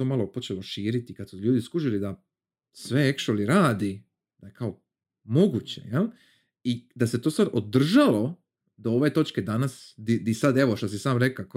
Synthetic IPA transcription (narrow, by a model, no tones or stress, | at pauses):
o̞ːmalopo̞t͡ʃeloʃiːɾit̪ikad̪suʎuːd̪iskuʒilid̪a | sʋeekʃoliɾaːd̪i | d̪ajekʰao | mo̞ɡut͡ɕḛjal | id̪ase̞t̪o̞ːsad̪od̪r̩ʒalo̞ | d̪ooʋe̞ːt̪o̞t͡ʃked̪anasd̪id̪isad̪eʋo̞ʃt̪osisaːmɾekak